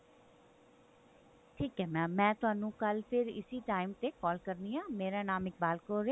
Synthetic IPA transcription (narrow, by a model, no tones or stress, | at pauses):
ʈʰiːkɦɛːmɛ̃ːmɛ̃ːt̪ʊɦaːnũːkəlpʰɪɾɪ̰siːʈaːɪmt̪eːkɔːlkəɾniːãːmeːɾaːnaːmɪk̚baːlkoɾeː